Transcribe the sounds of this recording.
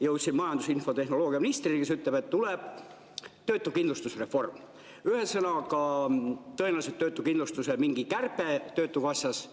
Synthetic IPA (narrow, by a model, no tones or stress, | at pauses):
jɤwt̪sinmɑjɑnd̪usinfo̞t̪e̞hno̞lo̞ːɡiɑminist̪rikes̬yt̪leb̥e̞t̪ːuleb̥ | t̪ø̞ːt̪ːˑukind̪lust̪usre̞fːo̞rm | yhesɤnɑkɑ | t̪ɤenelɑset̪ːøːt̪ːˑukinlust̪usemiŋɡ̥ikærpet̪ø̞ːt̪ːˑuvɑsʲjɑs